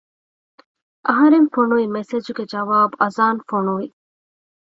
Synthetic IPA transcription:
ʔɐɦɐɾenfoɳuʋimesed͡ʒuɡed͡ʒɐʋaːbuʔɐzaːnfoɳuʋi

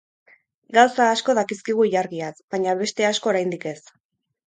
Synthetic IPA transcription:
ɡawsaːsko̞ðakiskiɣ̞uiʎaɾɣiat͡sbaɲaβe̞st̪e̞asko̞ːɾajnd̪ike̞s

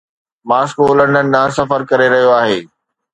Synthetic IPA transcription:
maːskoːlə̃ɳɖənɪ̆nãːsɐfəɾkɐɾeɾɐɦijoaːɦeː

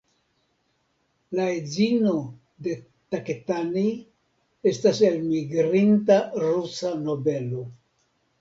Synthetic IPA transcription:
laezino̞ | de̞ | taketani | e̞stase̞lmiɡɾintaɾusano̞be̞lo̞

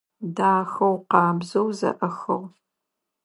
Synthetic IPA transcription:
daːxɐwqɑːbzɐwzɐ̰ʔɐxɐ̰ʁ

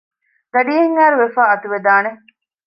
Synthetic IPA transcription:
ɡ̪ɐɖiːɦeŋːæːɾuʋefaːɐt̪uʋed̪aːne

